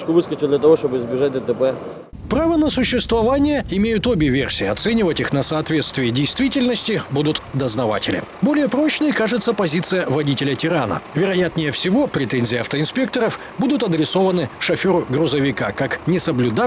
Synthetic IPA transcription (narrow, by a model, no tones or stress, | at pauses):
kʊʋɨskət͡ʃɪd̪lʲɐt̪ɐvoʂt̪obɨɪzbʲɪʐat̚ʲd̪ət̪əpɛ | pɾavənəsʊɕːɪst̪vɐvanʲɪjəɪmʲejʊt̪obʲɪvʲe̞̰rsʲiːɐt̪sɛnʲɪvətʲixnəsɐːt̪vʲe̞t̪st̪vʲɪjədʲejst̪vʲitʲɪlʲnəsʲtʲɪbud̪ʊt̪d̪əznɐva̰tʲɪlʲɪ̰bolʲɪjəpɾo̞t͡ɕnɨjkaʐɨt̪səpɐzʲit̪sɨjəvɐdʲitʲɪlʲətʲɪɾanə̰vʲɪɾɐjat̪nʲɪjəfsʲɪvo̞pɾʲɪt̪ɛnʲzʲɪjɪɐft̪əɪnspʲe̞k̚t̪əɾəf | bud̪ʊt̪ɐd̪ɾʲɪso̞vənɨʂɐfʲoɾʊɡɾʊzəvʲɪkakaknʲɪsəblʲʊd̪a